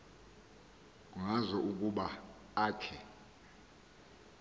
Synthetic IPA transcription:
uŋazɔʔuk̬ʼuɓa | aːkʰɛ

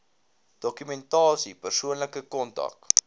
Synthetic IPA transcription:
d̥ɔkymɛntɑːsipərsuənləkəkɔntɐ̰k

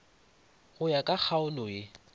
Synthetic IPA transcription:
ɣʊjakʼak͡xʰaʊlʊɪ

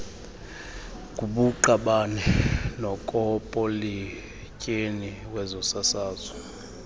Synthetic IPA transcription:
k̬ʼuɓuǃaɓanɛnɔkʼɔpʼoli | cʼeniwɛzɔsasaːzɔ

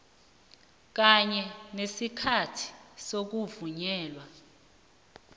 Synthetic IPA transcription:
k̬aɲɛnesikʰatʰi̥sok̬uvuɲɛːlwa

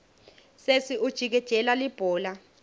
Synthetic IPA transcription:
sesiʔud̥ʒ̥ʱik̬ɛd̥ʒ̥ʱɛlalib̥ʱɔːla

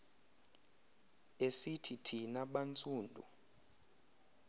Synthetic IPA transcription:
esitʰitʰinaɓant͡sʼuːndʱṵ

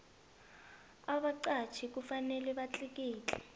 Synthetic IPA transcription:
aɓaǀat͡ʃʰik̬ufanɛlɛβat͡ɬʼik̬iːt͡ɬʼɛ

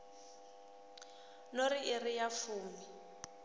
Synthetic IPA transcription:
noɾiʔɪrijafuːmi

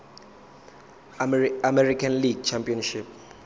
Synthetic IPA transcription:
amɛrikʰanliɡ̚t͡ʃʰampʼiɔnʃip̚

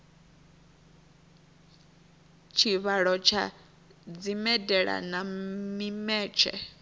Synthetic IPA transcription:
t͡ʃʰiβaɺɔt͡ʃʰa̰ | d͡zimɛdɛɺa̰namimɛːt͡ʃʰɛ̰

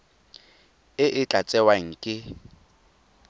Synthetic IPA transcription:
ɪʔɪt͡ɬʼat͡sʼɛwaŋ̩kʼɪ

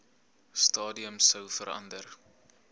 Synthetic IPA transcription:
stɑːdiəmsəwfəɾɐ̰ndər

